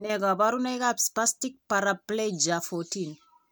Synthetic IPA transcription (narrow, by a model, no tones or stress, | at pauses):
nɛɡabaɾunajkapspastik̚paɾapled͡ʒafɔtin